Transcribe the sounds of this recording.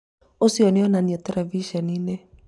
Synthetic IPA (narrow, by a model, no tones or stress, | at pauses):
osiɔniɔnaniɔtɛlɛviʃɔnine